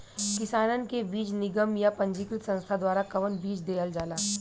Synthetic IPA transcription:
kɪsaːnənɪ̆kebiːt͡ʃnɪɡəmjapɐ̃ɲd͡ʒikɾɪt̪sɐ̃nst̪ʰad̪waːɾakɐʋənbiːd͡ʒd̪eːəld͡ʒaːlaː

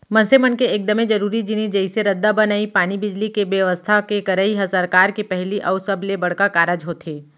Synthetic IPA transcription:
mɐ̃nsemənkeeːk̚d̪əmẽd͡ʒɐɾuːɾid͡ʒɪnid͡ʒɐɪseɾɐd̪ːabɐnaːipaːñibɪd͡ʒlikeʋjɐʋəst̪ʰakekɐɾəiɦɛsɐɾkaːɾkipɛɦliʔɔʊsɐblebɐɽkakaːɾəd͡ʒɦoːt̪ʰeː

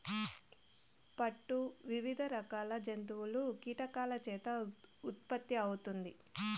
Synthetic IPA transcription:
pɐʈːuʋiʋid̪ʱɐɾɐkaːlɐd͡ʒɐnt̪̬uwulukiːʈɐkaːlɐt͡ʃɛːt̪ɐut̪̚pɐt̪ːiɐwut̪und̪i

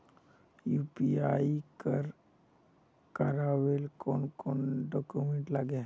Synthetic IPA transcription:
jupiaikəɾ | kəɾaʋelkonkoːnɖɔkumeɳʈlaɡe

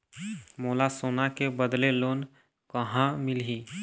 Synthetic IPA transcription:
moːlasoːnakebəd̪leloːn | kəɦãmɪlɦi

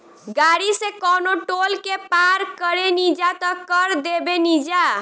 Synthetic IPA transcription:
ɡaɽisekɔnoʈolkepaɾkəɾenid͡ʒat̪əkəɾd̪ebenid͡ʒa

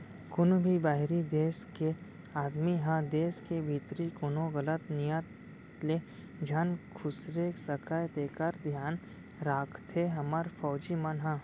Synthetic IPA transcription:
kʊnbʱibaːɦɾid̪eːske | aːd̪miɦãd̪eːskebʱit̪ɾikʊnõɣɐlət̪nijət̪ | le | d͡ʒʱankʰʊsɾeksəkajt̪eːkəɾd̪ʱjaːn | ɾaːkʰt̪ʰeɦɐməɾfɔːd͡ʒimɐnɦãː

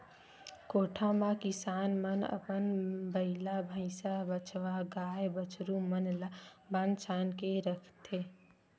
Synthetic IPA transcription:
koːʈʰamãkɪsaːnmənə̰pənbəɪlabʱəɪsabət͡ʃʰʋaɡaːjebət͡ʃʰɾumənlabant͡ʃʰaːnkeɾəkʰt̪e

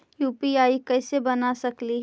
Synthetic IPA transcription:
juːpiaːikɛːsebɐnasɐkliɦ

